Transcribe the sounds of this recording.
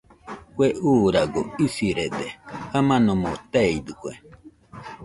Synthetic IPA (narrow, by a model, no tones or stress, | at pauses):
kweʔuːɾaɡoisiɾed̪ehamãnomot̪eid̪ɨkʷḛ